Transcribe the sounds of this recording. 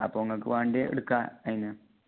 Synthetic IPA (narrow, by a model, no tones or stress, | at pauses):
ɐpːoːŋːɐkːɨʋaːɳɖeḛɽukːaɐjinɨ